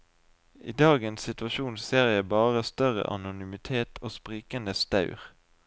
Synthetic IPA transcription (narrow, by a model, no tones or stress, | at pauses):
ḭːd̪ɑːɡənsɪt̪ʋɑʃuːnseːʁɪəbɑːʁəst̪œʁə̰ʔɑ̰nʊnʏmɪt̪ʰeːt̪ʰoːspʁiːkənd̪əst̪ɑʉʁ